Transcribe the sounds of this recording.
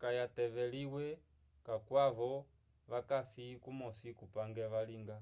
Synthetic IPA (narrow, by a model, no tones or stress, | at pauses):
kajatɛvɛliwɛ | kakwaʋɔ | ʋakasikumɔsikupaŋɡɛʋaliŋɡa